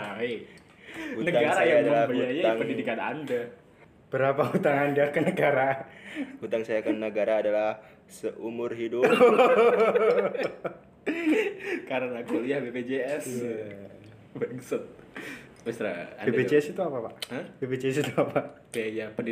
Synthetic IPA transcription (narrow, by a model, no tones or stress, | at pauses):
e | hunəaɡaɾajaalabəd͡ʒajaaŋpəndidikana̰nda | b̥əɾapaɦut̪aŋandakənəɡaɾa | hut̪aŋsajakənəɡaɾaːdalah | səʔumʊrɦidʊ | kaɾənakuliahbebed͡ʒeɛsia | bɛksɪt̪̚ | mist̪ɾaa̰nbedbed͡ʒeɛsit̪uapapaʔəbebet͡ʃeɛsit̪uapaʔ | japəni